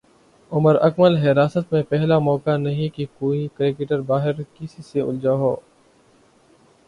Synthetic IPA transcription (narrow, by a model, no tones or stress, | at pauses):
ʊməɾɐkməlɦɪɾaːsət̪mẽpɛɦlamɔːkanɐɦĩkikoːikɾeːkeʈəɾbaːɦɪɾkɪsiseʊ̰ld͡ʒaɦoː